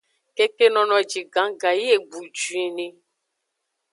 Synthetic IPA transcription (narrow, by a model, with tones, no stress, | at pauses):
ke˦ke˦nɔ̃˨nɔ̃˨d͡ʒi˨ɡã˨˦ɡa˨ji˦e˨ɡ͡bu˨d͡ʒu˨e˨nẽ˨